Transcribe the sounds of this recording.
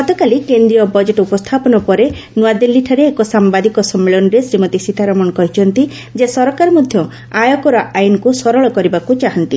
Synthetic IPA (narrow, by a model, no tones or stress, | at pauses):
ɡɔt̪ɔkalikend̪ɾijɔbɔd͡ʒeʈɔupɔst̪ʰapɔnɔpɔɾe | nuad̪ilːiʈʰaɾeːkɔsambad̪ikɔsɔmːeɭɔnɔɾesɾimɔt̪isit̪ʰaɾɔmɔnɔkɔɦit͡ʃʰɔnt̪i | d͡ʒesɔɾɔkaɾɔmɔd̪ʱjɔ | ajɔkɔɾɔʔajnɔkusɔɾɔɭɔkɔɾibakut͡ʃaɦɔnt̪ḭ